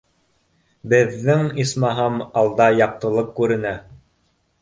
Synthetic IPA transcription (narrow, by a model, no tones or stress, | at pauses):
bɘ̆ðːɘŋismɑɦɤmɑlˠd̪ɑjɑq̚t̪ɤ̆lˠɤp̚kʉɾɘ̆næ